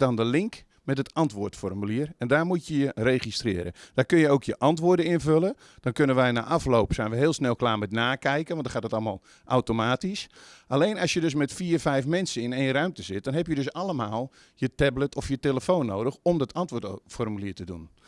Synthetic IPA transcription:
dɔndəlɪŋk | mɛtətɑntʋʊːtfɔrmyliərɛndaːrmutjəjəreːχistrɪːɾə̰d̥aːkønjəowkʰjəʔɑntʋʊːdənɪnvølə | d̥ɔnkønənʋɛjna̰ːʔɑfloːpsɛjnʋəɦɪːlˠsnɛlˠklaːmɛtnaːkɛjkənʋɔntdɔxaːtdətɑlˠma̰lˠ | ʔawtomaːtisʔaleːnasjədøs̬mɛtfiːrfɛjfmɛnsəɪneːnrœɥmtəzɪt̚d̥ɔnɦɛpjədøsalˠəmaːlˠ | jətɛblətʰɔfjəteləfoːnːo̰ːwdəxɔmdɔtʰɑntʋʊtfɔrmyliːtədṵn

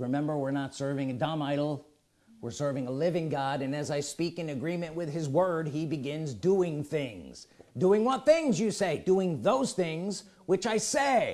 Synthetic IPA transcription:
ɹɨmɛ̃mbə˞wɪɹnətsɜ˞vɪ̃ŋɨdɑmaɪɾl̩ˠ | wɪɹsɜ˞vɪ̃ŋəlɪvɪ̃ŋɡɑɾɨ̃nɨzaɪspikɨ̃nɨɡɹĩmɨ̃nʔwɪð̥ɨzwɜ˞d̚ibɨɡɪ̃nzduɪ̃ŋθɪ̃ŋz̥duɪ̃ŋwʌt̪̚θɪ̃ŋzjɨseɪduɪ̃ŋðoʊz̥θɪ̃ŋz | wɨt͡ʃaɪseɪ

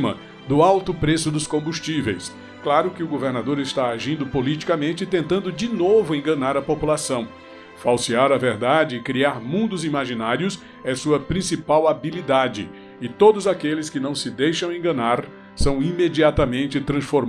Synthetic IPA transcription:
mɐ̰ | d̪ʊawt̪ʊpɾesʊd̪ʊskõbust͡ʃivejs | klaɾʊkɪʊɡoveɾnad̪oɾɪst̪aaʒĩnd̪ʊpolit͡ʃi̥kɐmẽnt͡ʃɪt̪ẽnt̪ɐ̃nd̪ʊd͡ʒɪnovʊẽɡɐ̃naɾɐpopulasɐ̃w̃ | fawsiaɾɐveɾd̪ad͡ʒɪːkɾiaɾmũnd̪ʊzimaʒinaɾjʊs | ɛsuɐpɾĩsipawabilid̪ad͡ʒɪ | ɪt̪od̪ʊzakelɪskɪnɐ̃w̃sɪd̪ejʃɐ̃w̃ẽɡɐnaɾ | sɐ̃w̃imed͡ʒiat̪ɐmẽnt͡ʃɪt̪ɾɐ̃sfoɾm

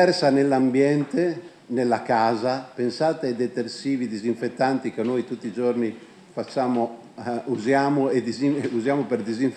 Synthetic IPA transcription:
ɛrsanelːambjɛnt̪e | nelːakaːzapensaːt̪ead̪et̪ersiːvid̪iziɱfet̪ːant̪ikenːojt̪ut̪ːid͡ʒorni | fat͡ʃːaːmo | uzjaːmoed̪iziuzjaːmoperd̪iziɱ

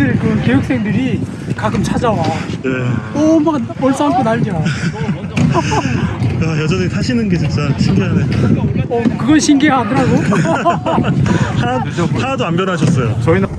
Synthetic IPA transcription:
ɯɭkɯke̞juk̚s͈e̞ŋdɯɾi | kaɡɯmt͡ɕʰad͡ʑawaneʌmaɡʌɭs͈ʌɦamkʰenaɭɲia | ajʌd͡ʑʌnetʰaɕʰinɯnɡet͡ɕint͡ɕ͈aɕʰiŋɡeɦaneʌkɯɡʌnɕʰiŋɡeɦadɯɾaɡo | hʰaohʰadoamɡjʌnɦaɕʰʌs͈ʌjo̰t͡ɕʌin

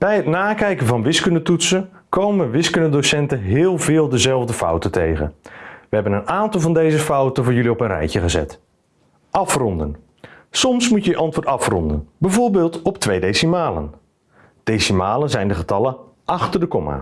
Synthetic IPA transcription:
b̥ɛjətnaːkɛjkənvɑnʋɪskəndətutsənkowmənʋɪskənədosɛntənɦɪːlˠvɪːlˠdəzɛlˠvdəfʌ̰wtəntejχə̰nʋəɦɛbənənaːntɑlˠvɑndejzəfʌwtənvʊːɹjʏliɔpənrɛ̰jcəχəzɛ̰t | ʔɑfrɔndən | sɔmsmucəjəʔɑntʋʊːtɑfrɔ̰ndə̰nbɛvoːɹbɪːlˠtɔptʋejdejsimaːlə̰n | d̥ejsimaːlənzɛjndəχətɑlən | ʔɑχtərdəkɔma̰

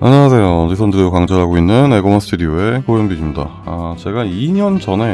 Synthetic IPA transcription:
aɲːʌas̬ʰe̞jodisʰʌndɯɾokaŋd͡ʑʌɭɦaɡoinːɯneɡomʌsʰɯ̥tʰudioe̞kojemdoid͡ʑimɲida̰ | at͡ɕe̞ɡaiɲʌnd͡ʑʌnɦe̞

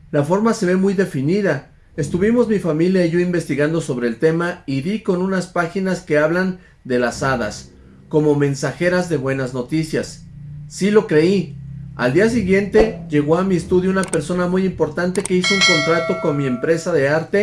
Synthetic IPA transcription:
lafo̞ɾmase̞βe̞mujðe̞finiða | e̞st̪uβimo̞zmifamiljaiʝo̞imbe̞st̪iɣand̪o̞so̞βɾe̞ːlt̪e̞maiðiko̞nũnaspaxinaske̞aβlan | d̪e̞lasaða̰s | ko̞mo̞mẽ̞nsaxe̞ɾazðe̞βwe̞nazno̞t̪isjasː | ilo̞kɾe̞ia̰ld̪ias̬iɣje̞nt̪e̞ʝe̞ɣo̞amie̞st̪uðjounape̞ɾso̞namujimpo̞ɾt̪ant̪e̞ke̞isouŋko̞nt̪ɾat̪o̞ko̞nmie̞mpɾe̞saðe̞aɾt̪e̞

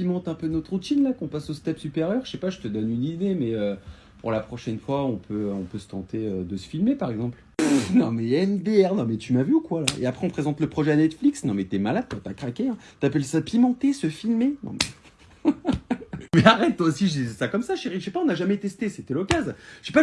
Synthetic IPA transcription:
pimɑ̃t̪ɛ̃pønɔt̪ʁut̪inlakɔ̃pasost̪ɛpsypeʁjœʁʃɛpaʒət̪əd̪ɔnynid̪emɛø | pṵʁlapχɔʃɛnfwaɔ̃pʰøɔ̃pøsə̥t̪ɑ̃t̪eød̪əsə̥filmepaʁɛɡzɑ̃pl | nɔ̃mɛɛmd̪eɛʁnɔ̃mɛt̪ymavyukwala̰ḛapχɛɔ̃pχezɑ̃t̪ləpχɔʒɛanɛt̪fliksnɔ̃mɛt̪yɛmalad̪̚t̪yapakχakʲeɛ̃t̪yapɛlsapimɑ̃t̪esəfilmenɔ̰̃mɛ̰ | mɛaʁɛt̪̚t̪ːwasiʒəd̪izɛsakɔmsaʃeʁiʃɛpaɔ̃naʒamɛt̪ɛst̪eset̪ɛlɔkazʒ̥epa

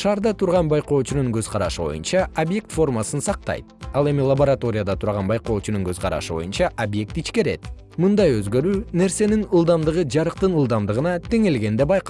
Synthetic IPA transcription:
ʃɑːɾd̪ɑt̪ʰuɾʁɑnbɑjqo̞ːt͡ʃunuŋɡø̞zqʰɑɾɑʃɯbo̞̰jṵnt͡ʃɑobje̞k̚t̪fo̞rmasɯnsɑq̚t̪ɑ̰jt̪̚ɑlˠe̞milˠɐboɾat̪o̞ɾʲɪjad̪ɑt̪ʰuɾʁɑnbɑjqo̞ːt͡ʃunuŋɡø̞zqɑɾɑ̰ʃɯbo̞̰junt͡ʃɑʔobje̞k̚t̪it͡ʃke̞ɾe̞t̪ | mɯnd̪ɑjø̞zɡø̞ɾyːne̞ɾse̞ninɯlˠd̪ɑmd̪ɯʁɯd͡ʒɑɾɯqt̪ɯnɯlˠd̪ɑmd̪ɯʁɯnɑt̪ʰe̞ŋe̞lɡe̞nd̪e̞bɑjq

